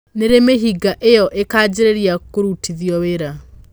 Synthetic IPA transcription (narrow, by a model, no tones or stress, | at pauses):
neɾemeɦiɡaʔejɔʔekaːd͡ʑeɾeɾjakoɾutʰiðjɔweɾa